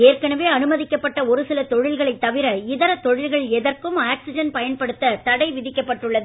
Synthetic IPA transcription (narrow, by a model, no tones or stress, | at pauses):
eːrkɐnɐʋeːɐnɯmɐðɪkːɐpːɐʈːɐɔɾɯsɪlɐt̪ɔɻɪlɣɐɭɐɪt̪ːɐʋɪɾɐɪðɐɾɐt̪ːɔɻɪlɣɐɭɛðɐrkɯmaːksɪd͡ʒɐnpɐjɐnpɐɽɯt̪ːɐt̪ɐɽɐɪʋɪðɪkːɐpːɐʈːɯɭːɐðɯ